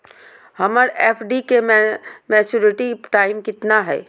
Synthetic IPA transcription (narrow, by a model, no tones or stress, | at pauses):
hɐməɾeːpʰɖikemɛːt͡ʃuːɾɪʈiʈaːɪmkɪt̪naɦɛ̰ː